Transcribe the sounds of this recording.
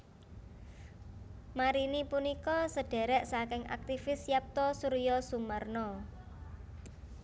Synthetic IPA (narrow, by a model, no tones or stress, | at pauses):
maɾinipunikɔsəɖ̥ɛ̤ɾɛʔsakɪŋʔa̰k̚t̪ifɪsjap̚t̪ɔsuɾijɔsumərnɔ